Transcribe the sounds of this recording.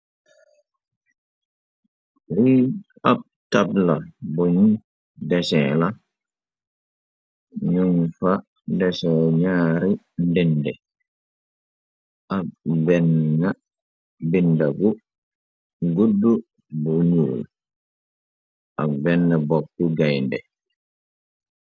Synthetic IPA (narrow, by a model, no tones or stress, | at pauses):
li | ab̚tablaboɲu | dɛsɛla | ɲunfa | dɛsɛɲaɾi | ndɛndɛ | ʔabɛnːa | bindaɡu | ɡudːu | buɲuːl | ʔabɛnːabɔk̚kuɡajndɛ̰